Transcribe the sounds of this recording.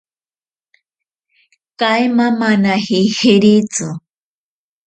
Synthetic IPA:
kajmamanahihiɾit͡su

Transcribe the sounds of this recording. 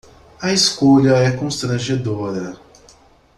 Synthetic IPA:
ɐiskoʎɐɛkõst̪ɾɐ̃ʒed̪oɾɐ

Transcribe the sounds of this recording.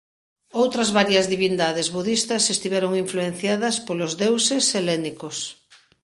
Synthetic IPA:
owt̪ɾɐzβaɾjɐzðiβind̪aðezβuðist̪ɐsest̪iβɛɾoŋiɱfluen̟θjaðɐspolozðewseselɛnikos

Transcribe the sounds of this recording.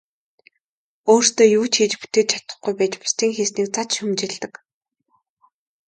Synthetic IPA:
oːr̥st̪oːjuːt͡ɕʰxiːt͡ɕpu̥t̪eːt̪̚t͡ɕʰat̪ə̆χɡujpæːt͡ɕpḁst̪iːŋxeːsniːk̚t͡sat͡ɕʃʊmt͡ɕɪ̆ɮt̪ə̆k

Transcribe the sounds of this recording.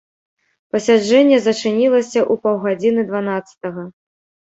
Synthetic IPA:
pɐsʲad͡ʐɛnʲːɛzɐt͡ʂɨnʲilˠɐsʲɐʔupɐwɣad͡zʲinɨd̪vanat̪sːɐ̥t̪ɐɣɐ

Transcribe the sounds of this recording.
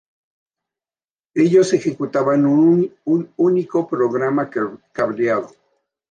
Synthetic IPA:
eʎosexekut̪aβanununikopɾoɣɾamakaβɾjaðo

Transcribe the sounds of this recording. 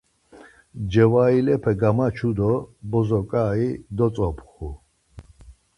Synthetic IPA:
d͡ʒɛwailɛpʰɛɡamat͡ʃʰud̪ɔbɔzɔkʼaːid̪ɔt͡sʼɔpʰχu

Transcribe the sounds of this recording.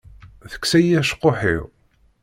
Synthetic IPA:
θə̥ksæjæʃqːoħḭʁ

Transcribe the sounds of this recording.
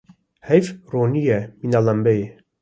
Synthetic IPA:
hɛjfronijɛminalambɛje

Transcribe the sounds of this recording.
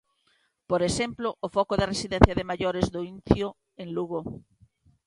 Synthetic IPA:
poɾesemploʔːfɔkoðɐresiðenθjɐðɪmaʎoɾezðoinθjo | eŋluɣo

